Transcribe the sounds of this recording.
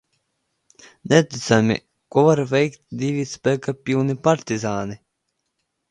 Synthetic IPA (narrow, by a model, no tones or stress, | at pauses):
nʲɛt̪it̪samʲḭ | kɔvaɾvɛjkt̪̚ʲd̪ʲivʲispækapʲilnʲipaɾt̪ʲizaːni